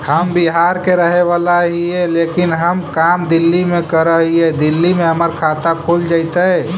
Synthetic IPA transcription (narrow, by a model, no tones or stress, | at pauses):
həmbiɦaɾkeɾəɦeʋalaɦiɛlekinɦəmkamd̪ilːimekəɾəɦiɛd̪ilːimẽɦəməɾkʰat̪akʰold͡ʒaɪt̪əɛ